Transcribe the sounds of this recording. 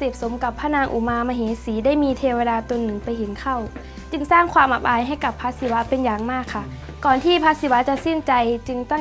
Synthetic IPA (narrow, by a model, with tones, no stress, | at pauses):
seː˨˩p̚so˨˦mka˨˩pʰːaː˧˥˨naː˧ŋʔṵ˨˩maː˧ma˧ɦeː˨˦siː˨˦da˥˩˨jmiː˧t̪ʰeː˧wa˧daː˧t̪o˧nːɯ˨˩ŋpa˧jɦe˨˦nkʰa˧˩˨w | t͡ɕɯ˧ŋsaː˥˩ŋkʰwaː˧mʔa˨˧˩p̚ʔaː˧jɦa˥˩jka˨˩pʰːa˦˧˥si˧˦wa˦˥pe˧njaː˨˩ŋmaː˥˩kʰːa˧˩ | kɔː˨˩nt̪ʰiː˧˩pʰaː˧˦˥si˧˦wa˦˧˥t͡ɕa˧ʔse˧˥˩nt͡ɕa˧jt͡ɕɯ˧ŋt̪ɔ˥˨